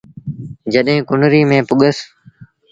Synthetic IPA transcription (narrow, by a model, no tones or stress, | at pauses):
d͡ʒəɗɦẽːkʊnɾiːmẽːpʊɠəs